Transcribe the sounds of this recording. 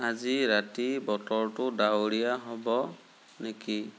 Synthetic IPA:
aziɹatibɔtɔɹtʊdawɹijaɦɔbɔ | neki

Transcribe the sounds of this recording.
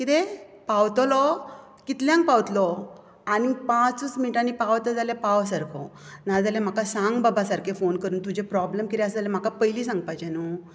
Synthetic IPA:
kit̪epawt̪ɔlɔ | kit̪ljãŋk̚pawt̪lɔ | anipãt͡sut͡smiʈanipaʋt̪əd͡zalepaʋsəɾkʰɔ̰nad͡zalem̤akasãŋɡbabasaɾkefonkəɾuːnt̪ud͡ʑʱepɾɔblemkiɾɛəsəd͡zalem̤akapəjlisãŋɡ̚pajt͡ɕenu

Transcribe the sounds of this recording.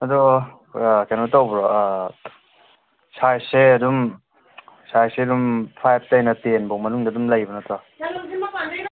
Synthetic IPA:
ɐdu | kanotawbɾɔ | sajseɐdum | sajseɐdumpʰajb̚ʰtajnɐtenbɔmɐnuŋdɐdumlɐjbɐnɐta

